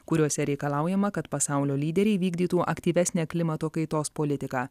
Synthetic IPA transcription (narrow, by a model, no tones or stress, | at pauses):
kʊɾʲuɔsʲɛɾʲɛɪkɐlˠɑˑʊjɛmɐkɐt̪pɐsɑˑʊlʲoːlʲiːd̪ʲɛɾʲɛɪʋʲiːɡd̪ʲiːt̪uːʔɐkʲt̪ʲiːʋʲæsʲnʲæːklʲɪmɐt̪oːkɐɪt̪oːspolʲɪt̪ʲɪkɑː